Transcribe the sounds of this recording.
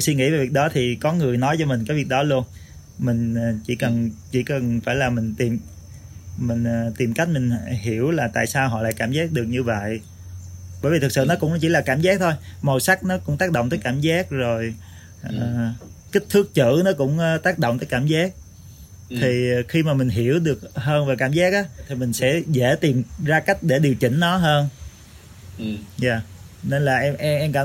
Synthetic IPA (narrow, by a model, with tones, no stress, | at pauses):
jswi˧ŋḭ˧˥˩ve˨˩vi˨˩ə˩ɗɔ˨˦t̪ʰi˨˩kɔ˨˦ŋɨ˨˩əjnɔ˨˦jt͡ɕɔ˧mi˨˩ŋ̟kaː˨˦jvi˨˩ək̚ɗɔ˨˦lu˧ən | mï˨˩ŋ̟ː˨˩t͡ɕi˧˩kə˨˩nt͡ɕḭ˧˩kə˨˩nfaː˧˩jlaː˨˩mï˨˩ŋ̟t̪i˨˩m | mï˨˩ŋ̟ː˨˩t̪i˨˩mka˦˥k̟̚mï˨˩ŋ̟˨ɦi˧˩əwlaː˨˩t̪a̰ː˧˨jsaː˧wɦɔ̰˧˨la̰ː˧˨jkaː˧˩mzaː˦˥k̚ɗɨ˨˩ək̚ɲɨ˧və̰˧˨j | ɓə˧˩vi˨˩ɨ˨˩ksɨ̰˧˨nɔ˨˦kʊ̰˧˥ŋ͡mt͡ɕi˧˥laː˨˩kaː˧˩mzaː˦˥k̚t̪ʰo˧jmo˨˩sa˦˥k̚nɔ˨˦kʊ̰˧˥ŋ͡mt̪aː˦˥k̚ɗo̰˧˨wt̪əː˨˦jkaː˧˩mzaː˦˥k̚zo˨˩j | ʔəː˨˩ki˦˥k̟̚t̪ʰɨ˦˥k̚t͡ɕɨ̰˧˥nɔ˨˦kʊ̰˧˥ŋ͡mt̪aː˦˥k̚ɗo̰˧˨wŋ͡mt̪əː˨˦kaː˧˩mzaː˦˥k̚ | t̪ʰi˨˩xi˧maː˨˩mï˨˩ŋ̟ɦi˧˩˦əwɗɨ˨˩ək̚həː˧nvaː˨˩kaː˧˩mzaː˦˥k̚ʔaː˨˦t̪ʰi˨˩mï˨˩ŋ̟sɛ̰˧˥ze˧˥t̪i˨˩mzaː˧ka˦˥jk̟̚ɗe˧˩ɗi˨˩əwt͡ɕï˧˩˦ŋ̟nɔ˨˦ɦəː˧n | zaː˨˩ | ne˧nlaː˨˩ʔɛ˧ʔɛ˧ʔɛ˧mka˧˩˦